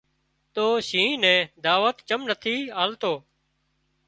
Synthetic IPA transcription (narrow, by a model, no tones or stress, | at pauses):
t̪oːʃĩːnɛ̃ːd̪aːʋət̪t͡ʃəmnət̪ʰiːaːlt̪oː